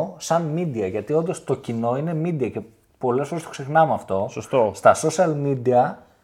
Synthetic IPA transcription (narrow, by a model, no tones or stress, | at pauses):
sɐnmid̪iɐʝɐt̪io̞nd̪o̞st̪o̞cino̞ine̞mid̪iɐce̞ | po̞le̞sfo̞ɾest̪oksexnɐmeɐft̪o̞sost̪ost̪ɐso̞siɐlmid̪iɐ